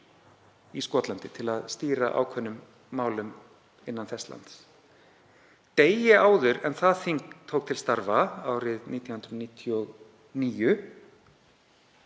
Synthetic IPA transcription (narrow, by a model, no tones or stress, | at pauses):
iskɔːt̪lant̪ɪt̪ʰɪlaðst̪iːɾa̰ʔa̰ːwkʰvœnːʏmː | aːwlʏm | ɪnːanθɛst̪la̰nt̪s | t̪eːjɪaːwðʏɾɛnθaðθiŋkt̪ʰːoːwk̚t̪ʰɪlst̪aɾvaaːwɾɪðniːt̪janhʏnɾniːt̪ʰjɔɣ | niːjʏ